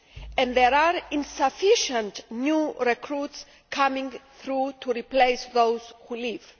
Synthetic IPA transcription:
ɛ̃nðɛɾaɾĩnsafiʃə̃ntnjuɹɛkʰɾuts | kʰamĩŋθɾutʰuɹiplejsðowzhuliv

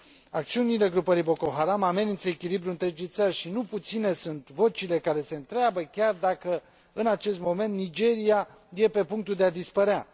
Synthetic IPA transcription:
ak̚t̪siunile̞ɡɾupəɾijbo̞ko̞ɦaɾamame̞ninsəekʲilibɾuɨnt̪ɾe̞d͡ʒijt̪sərʲʃinuput̪sine̞sunt̪vo̞t͡ʃile̞kaɾe̞se̞ɨnt̪ɾeabəkʲard̪akə | ɨnat͡ʃe̞st̪mo̞me̞nt̪nid͡ʒe̞ɾija | je̞pe̞puŋk̚t̪uld̪ead̪ispəɾea

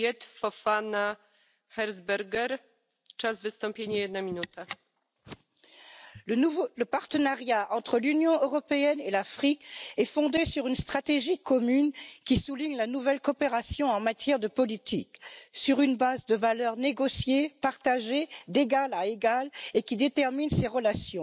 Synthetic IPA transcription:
ɛt̪fɔfana | xɛɾzbɛɾɡɛɾ | t͡ʂazvɨst̪ɔ̃mpʲjeɲajɛd̪namʲinut̪a | vləpaʁt̪ənaʁjaʔɑ̃t̪χəlynjɔ̃øʁɔpeɛnelafχikɛfɔ̃d̪esyʁynst̪χat̪eʒikɔmynkʲisuliɲlanuvɛlkɔpeʁasjɔ̃ɑ̃mat̪jɛʁd̪əpɔlit̪ʰḭksyʁynbazd̪əvalœʁneɡɔsjepaʁt̪aʒed̪eɡalaeɡalekʲid̪et̪ɛʁminseʁəlasjɔ̃

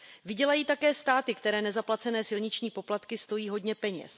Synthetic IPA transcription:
vɪɟɛlajiːt̪akɛːst̪aːt̪ɪkt̪ɛɾɛːnɛzaplat͡sɛnɛːsɪlɲɪt͡ʃɲiːpo̞plat̪kɪst̪o̞jiːɦo̞dɲɛpɛɲɛ̰s

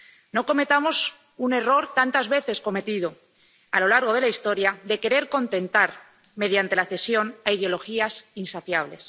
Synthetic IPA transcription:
no̞ko̞me̞t̪amo̞s | une̞ro̞ɾt̪ant̪azβe̞θe̞sko̞me̞t̪iðo̞ | alo̞laɾɣ̞o̞ð̞e̞laist̪o̞ɾjaðe̞ke̞ɾe̞ɾko̞nt̪e̞nt̪aɾ | me̞ð̞jant̪e̞laθe̞sjo̞naiðeo̞lo̞xiasinsaθjaβ̞le̞s

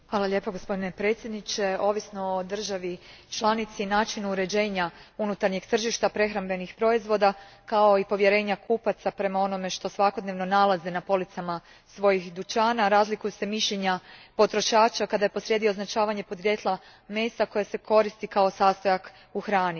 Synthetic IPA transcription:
xʋaːlˠaʎe̞ːpoɡo̞spo̞d̪ine̞pɾe̞ːt̪sʲjed̪nit͡ʃe̞o̞ːʋisno̞od̪r̩ʒaʋit͡ʃlˠanit̪sinaːt͡ʃinuuɾe̞d͡ʑe̞ːɲaunut̪aɾɲe̞ɡt̪r̩ʒiʃt̪apɾe̞xɾambe̞nixpɾo̞izʋo̞d̪akao̞ipo̞ʋje̞ɾe̞ːɲakʰupat̪sapɾe̞mao̞no̞me̞ʃt̪o̞sʋako̞d̪neʋno̞nalˠazenapo̞lit̪sama | sʋo̞jixd̪ut͡ʃaːnaɾaːzlikujuse̞miʃʎeɲapo̞t̪ɾo̞ʃaːt͡ʃakad̪ajepo̞sɾje̞d̪ioznat͡ʃaːʋaɲe̞pod̪ɾje̞t̪lˠa | me̞ːsako̞jase̞kʰo̞ɾist̪ikao̞saːst̪o̞jak | uxɾaːni

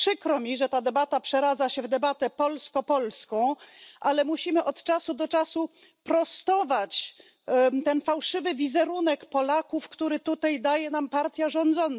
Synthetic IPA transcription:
pʂɘkɾɔmʲiʐɛt̪ad̪ɛbat̪apʂɛɾad̪zaɕɛvd̪ɛbat̪ɛpɔlskɔpɔlskɔ̃w̃ʔalɛmuɕimɘʔɔt̪t͡ʂasud̪ɔt͡ʂasu | pɾɔst̪ɔvat͡ɕ | t̪ɛnfawʂɘvɘvʲizɛɾunɛkpɔlakufkt̪uɾɘt̪ut̪ajd̪ajɛnampaɾt̪ʲjaʐɔ̃nd̪zɔn

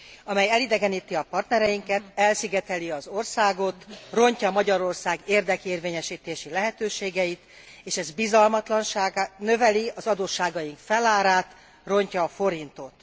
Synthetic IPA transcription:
ɒmɛjɛlid̪ɛɡɛniːt̪iɒpɒrt̪nɛɾɛjiŋkɛt̪ɛlsiɡɛt̪ɛliɒzo̞rsaːɡo̞t̪ro̞ɲcɒmɒɟɒɾo̞rsaːɡeːrd̪ɛkeːrveːɲɛʃiːt̪eːʃilɛɦɛt̪øːʃeːɡɛjit̪ | eːʃɛzbizɒlmɒt̪lɒnʃaːɡanøvɛliɒzɒd̪oːʃːaːɡɒjiŋkfɛlaːɾaːt̪ | ro̞ɲcɒːfo̞ɾint̪o̞t̪

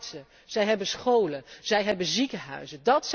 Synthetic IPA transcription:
sə | z̥ɛjɦɛbəsχowləz̥ɛjɦɛbənzikəɦœ̰ɥzədɑts

